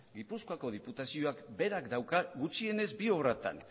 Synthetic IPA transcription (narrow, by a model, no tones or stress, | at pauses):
ɡipuskoako̞ð̞iput̪asio̞akbe̞ɾakd̪awkaɡut͡ʃie̞ne̞zbio̞βrat̪a̰n